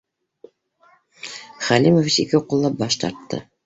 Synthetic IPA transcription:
χælimovit͡ɕikɘqŭlˠːɑp̚bɑʃt̪ɑ̰ɾt̪ːɤ̰

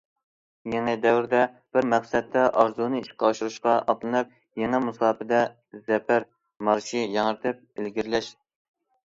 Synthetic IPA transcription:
jɛŋɛd̪ɛwɾd̪ɛ | b̥ɪɾmæqsɛt̪ʰːɛʔɑɾzunɨiʃqɑʃuɾuʃqɑʔɑplˠɨnɨp̚ | jɛŋɛmusɑːpɪd̪ɛ | zɛpʰæɾ | mɑɾʃijɑŋəɾt̪ʰɪp̚elɡʲiɾlɛʃ

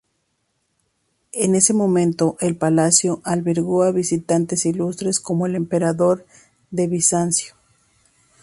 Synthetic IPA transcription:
e̞ne̞se̞mõ̞mẽnt̪o̞ʔelpalasjo̞ʔalβe̞ɾɣo̞aβisit̪ant̪e̞silust̪ɾe̞sko̞mo̞e̞le̞mpe̞ɾaðo̞ɾ | ðe̞βisansjo̥

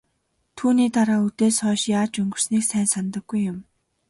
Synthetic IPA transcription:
t̪ʰuːniːt̪aɾaːut̪eːsχɔːʃjaːt͡ɕɵŋɡɵ̆r̥sniːksæːnsant̪ə̆ɡ̥ːujːʊm

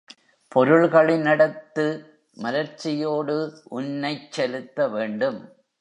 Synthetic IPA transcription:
pɔɾɯɭɣɐɭɪnɪɽɐt̪ːɯ | mɐɾɐɾt͡ʃːɪjoːɽɯʔʊnːɐɪt͡ʃːɛlɯt̪ːɐʋeːɳɖɯm

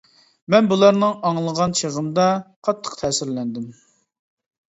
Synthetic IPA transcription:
mɛnbulˠɑɾnɨŋɑŋlˠəʁɑnt͡ʃʰeʁəmd̪ɑqʰɑt̪ʰːə̥qt̪ʰɛːsɪɾlɛnd̪ɪm

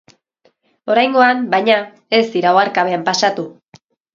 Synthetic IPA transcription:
o̞ɾajŋɡo̞ambajɲa | e̞zd̪iɾaoaɾkaβe̞ampasat̪u

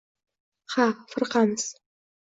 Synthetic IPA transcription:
χafɨrqanɨs

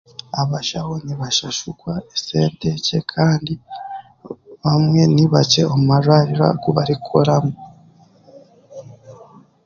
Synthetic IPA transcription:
aβaʃahoniβaʃaʃukwaese̞ːnte̞ce̞kʰaːndi | βamŋe̞niβat͡ʃe̞omumaʒwaɾiɾa̰ɡuβaɾikʰoɾamu

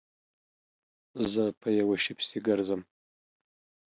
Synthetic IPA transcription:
zɐpʰɐjɐwɐʃɪpʰsiɡɐrzɐm

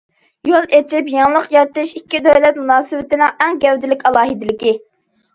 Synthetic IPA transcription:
jolˠet͡ʃʰɪpjɑŋlˠəqjɑɾt̪ɨʃikʲːid̪øjlɛt̪munɑːsɨwɪt̪ɪnɪŋɛŋɡʲɛwd̪ɪlɪkʲɑlˠɑːɦid̪ɪlɪkʲi

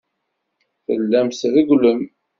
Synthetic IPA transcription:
θəlːæmsðiɡləm

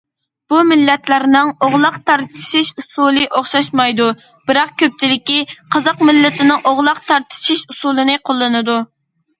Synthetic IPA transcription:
b̥umɪlːɛt̪læɾnɪŋoʁlˠɑqt̪ʰɑɾt̪ʰɨ̥ʃiʃusulˠɨʔoχʃɑʃmɑjd̪u | b̥ɪɾɑq̚kʲʰøp̚t͡ʃʰilɪkʲiqʰɑzɑqmɪlːɪt̪ɪnɪŋʔoʁlˠɑqt̪ʰɑɾt̪ʰɨ̥ʃiʃusulˠɨnɨqʰolˠːɨnɨd̪u

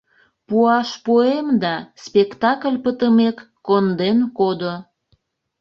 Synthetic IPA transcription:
puɑʃpoemd̪ɑspekt̪ɑkəlʲpət̪əmekːond̪enkod̪o

